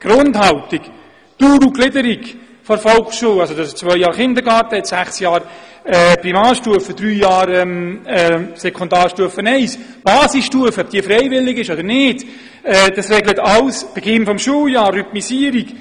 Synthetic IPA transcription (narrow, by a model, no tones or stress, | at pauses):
ɡ̥ɾʊndhɑlt̪ik | tuːɾuklɪdəɾiɡ | fɔɾfɔlkʃuːwɑsodɑst͡sʋœʏjɑːɾχɪnd̪əɾɡɑːɾtəɛtsæχsjɑːɾɛprimɑːɾʃtuəfəd̥̪ɾyːjɑːɾɛmɛsɛkʰɔnd̪ɑːɾʃtuəfənɛɪs | b̥ɑːsisʃtuəfəɔb̥̚d̥iːfɾɛɪvɪlɪɡɪʃɔd̪əɾnɪːd̥ | ɛːd̥̪ɑsrɛɡlətɑwsb̥ɛɡɪnfɔmʃuːljɑːrːyt̪misiːəɾik